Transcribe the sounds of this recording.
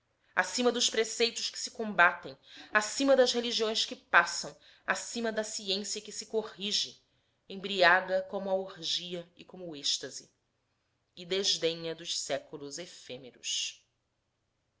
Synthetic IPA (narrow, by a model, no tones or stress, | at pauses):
a̰sĩmɐd̪ʊʃpɾesejt̪ʊʃkɪ̥sɪ̥kõbat̪ẽj̃asĩmɐd̪ɐzheliʒiõj̃skɪpasɐ̃w̃ | asĩmɐd̪ɐsiẽsjɐkɪsɪkohiʒɪ | ẽbɾiaɡɐkõmʊɐohʒiɐɪkõmʊːeʃt̪ɐzḭ | ɪd̪eʒd̪ẽɲɐd̪ʊʃsɛkulʊzefemeɾʊ̰s